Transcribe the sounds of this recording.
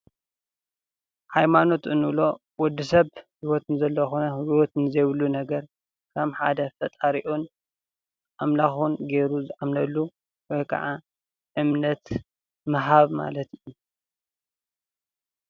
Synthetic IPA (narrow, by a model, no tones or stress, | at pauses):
ħajmano̞t̪ʔɨnːɨβlo̞ | wɔd̪ːisɐβhiwot̪nzɐlːɐxonɐhiwot̪nɨzɐjβɨlːunɐɡɐɾ | kʰɐmħa̰d̪ɐfɐt̪ʼaɾiʔun | ʔamlaxunɡe̞ɾuzɨʕamnɐlːu | wɔjkʰɐ̰ʕa | ʔɨmnɐt̪ | mɐɦaβma̰lɐt̪ɨjːu